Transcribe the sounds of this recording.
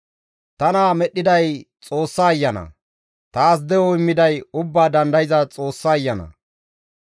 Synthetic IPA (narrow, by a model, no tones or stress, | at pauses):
t̪ɐnaːmɛɗːɪd̪ɐjt͡sʼoːsːaːjːɐnɐ̰ | t̪aːs̬d̪ɛɔɪmːɪd̪ɐjʊbːaːd̪ɐnd̪ɐjɪzɐt͡sʼo̞ːsːaːjːɐnɐ̰